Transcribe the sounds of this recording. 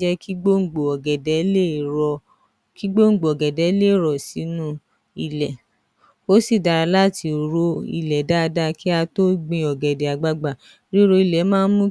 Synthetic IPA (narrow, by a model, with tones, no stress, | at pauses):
d͡ʒɛ˦ki˦ɡ͡bo˦˨ɡ͡bo˨ɔ˨ɡɛ˨dɛ˨˦le˦˨ɔ˧ | ki˦ɡ͡bo˦ŋ̩˨ɡ͡bo˨ɔ˨ɡɛ˨dɛ˨˦le˦˨ɾɔ˨si˨˦nũ˦ | i˧lɛ˨ | o˦si˦˨da˧ɾa˧la˦˨ti˧˨ɾo˧˦ḭ˧lɛ˨da˦˧da˦ki˦a˧to˦ɡ͡bĩ˧ɔ˨ɡɛ˨de˨a˨ɡ͡ba˧ɡ͡ba˨ | ɾi˦ɾo˧i˧˨lɛ˨˦mãː˦mũ˦